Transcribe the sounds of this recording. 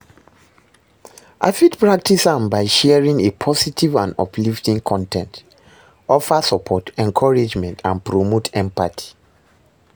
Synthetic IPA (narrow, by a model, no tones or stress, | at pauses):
ʔa̰fitpɹak̚tisãmbaɪʃɛɛɹĩŋepʰɔsitʰivãndɔ̰pʰliftĩŋkʰɔ̃ntʰɛ̰̃nt | ɔfasəpʰɔtɛ̃nkʰɔɹed͡ʒmɛ̃ntʰãnpʰɹomotʰɛ̃mpatʰi̥